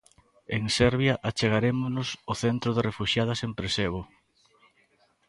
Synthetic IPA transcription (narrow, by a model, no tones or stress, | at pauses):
eŋsɛɾβjaʔat͡ʃeɣ̞aɾemʊnʊsʊθent̪ɾʊðerefuʃjað̞ɐsempɾeseβ̞o